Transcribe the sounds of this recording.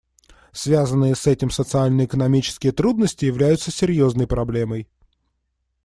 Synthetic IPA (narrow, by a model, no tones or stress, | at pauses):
svʲazənːɨjəsɛtʲɪmsət̪sɨalʲnəɪkənɐmʲit͡ɕɪ̥skʲɪjət̪ɾud̪nəsʲtʲɪjɪvlʲæjʊt̪səsʲɪɾʲjo̞znəjpɾɐblʲe̞məj